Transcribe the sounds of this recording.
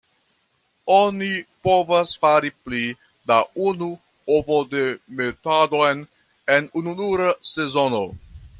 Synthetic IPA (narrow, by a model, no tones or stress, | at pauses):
onipo̞vasfaɾipli | daunu | ovode̞me̞tado̞jn | e̞nununuɾase̞zo̞no̞